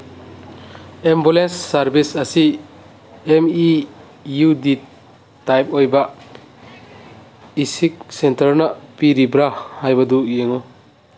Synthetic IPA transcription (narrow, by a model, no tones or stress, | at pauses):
embulensːaɾbisasi | emi | judi | tajp̚ɔjba | isik̚sentaɾnapiɾibɾahajbadujeŋɔ